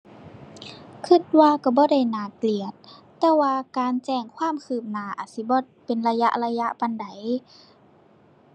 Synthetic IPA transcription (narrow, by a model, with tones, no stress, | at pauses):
kʰɯ˧˥˨t̪̚waː˧ka˧˩bɔː˧˦da˧˥˩jnaː˨˩kli˨˩ət̪̚ː | ɛː˧˩waː˧kaː˨˧nt͡ɕɛː˧˩ŋkʰwaː˧˥˨mkʰɯː˧˩p̚naː˨˦ʔaː˨˩t̪̚si˧˦bɔː˧˩ | pe˨nla˧ja̰˧˥ʔla˧ja˧˥ʔpa˧nda˨˦j